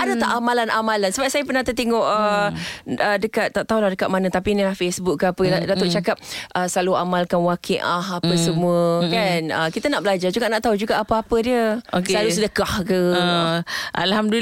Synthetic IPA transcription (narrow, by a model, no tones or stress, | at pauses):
ʔadat̪aʔamalanʔamalansəbap̚sajəpərnat̪ət̪eŋɔʔə | ədəkat̪̚ːaʔt̪aulahdəkat̪̚manət̪apinilahfesbuk̚kːapəadat̪oʔt͡ʃakap̚ʔəsəlaluamalkanwakʰeʔaɦapəsəmuəkanəkit̪anaʔbəlad͡ʒad͡ʒuɡaʔnaʔt̪aud͡ʒuɡaʔapəapədiəoklalusədəkahkə | ʔa̰lhamd